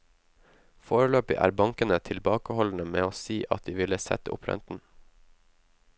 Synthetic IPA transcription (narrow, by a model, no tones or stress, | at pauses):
foːɹəløːpɪʔæ̰ːɾbɑŋkənət̪ʰɪlbɑːkəhɔln̩əmeːoːsiːʔɑt̪̚d̪iːʋɪləsɛ̰t̪əʊ̰pʰɾɛ̰nt̪n̩